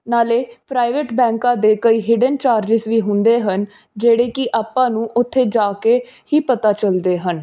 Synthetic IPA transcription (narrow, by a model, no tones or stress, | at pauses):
naːleːpɾaːɪʋeʈbɛ̃ːŋkãːd̪eːkəiːɦiːɖənt͡ʃaːɾd͡ʒɪzʋiːɦʊnd̪eːɦən | d͡ʒeːɽeːkɪʔaːpːãːnũːʔʊt̪ʰːeːd͡ʒaːkeː | hiːpət̪aːt͡ʃəld̪eːɦən